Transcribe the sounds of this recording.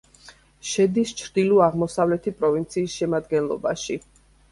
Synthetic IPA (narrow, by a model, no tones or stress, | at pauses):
ʃɛd̪ist͡ʃʰɾd̪iluaʁmɔsavlɛt̪ʰipʼɾɔvint̪sʰiːsʃɛmad̪ɡɛnlˠɔ̰baʃi